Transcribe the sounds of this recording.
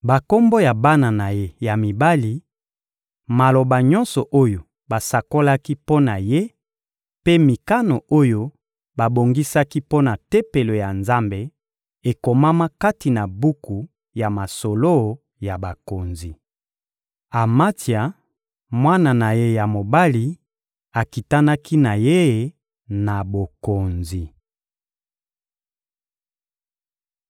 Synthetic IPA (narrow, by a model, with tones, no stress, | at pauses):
ba˨ko˦mbo˦ja˨ba˦na˨na˨je˦ja˨mi˨ba˦li˨ | ma˨lo˨ba˨ɲɔ̃˦nsɔ˨ʔo˦jo˨ | ba˨sa˨ko˦la˦ki˦po˦na˨je˦ | pe˦mi˨ka˦no˨o˦jo˦ | ba˨bo˨ŋɡi˦sa˦ki˦po˦na˨te˦pe˨lo˨ja˨nza˦mbe˦ | e˨ko˨ma˦ma˦ka˦ti˨na˨bu˦ku˨ | ja˨ma˨so˨lo˦˨ | ja˨ba˨ko˨nzi˨ | a˨ma˦tja˨ | mwa˦na˨na˨je˦ja˨mo˨ba˦li˨ | a˨ki˨ta˦na˦ki˦na˨je˦˨ | na˨bo˨ko˨nzi˨